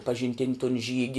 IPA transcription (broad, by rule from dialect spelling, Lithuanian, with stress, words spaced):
pɐʒʲɪnʲˈtʲɪnʲ toːn ˈʒʲiːɡʲɪ